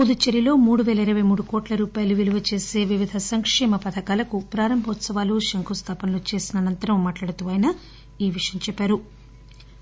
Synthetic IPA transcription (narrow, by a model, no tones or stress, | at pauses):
ud̪ut͡ʃɐɾilo̞ːmuːɽuʋeːlɐiɾɐʋɐjmuːɽukɔːʈlɐɾuːpaːjɐluʋiluʋɐt͡ʃe̞ːse̞ːʋiʋid̪ʱɐsɐŋkʂɛːmɐpɐd̪ʰʱɐkaːlɐkupɾaːɾɐmbʱɐʋɐt̪sɐʋaːluʃɐŋkust̪ʰaːpɐnloːt͡ʃe̞ːsinɐːnɐnt̪ɐɾɐmːaːʈlaːɽut̪uːʋaːjnɐ | iːʋiʂjɐmt͡ʃɛpːaːɾu